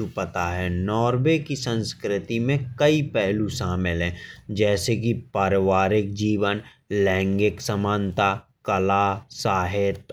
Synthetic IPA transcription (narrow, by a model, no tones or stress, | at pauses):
upət̪aɦɛnɔːɾʋekisə̃nskɾɪt̪imẽkɐipɛɦluʃaːmɪlɦɛ̃ːd͡ʒɛːsek̬ipəɾɪʋaːɾɪk̚d͡ʒiːʋən | lɛ̃ːŋɡɪksəmãːnt̪a | kɐlaːsaːɦɪt̪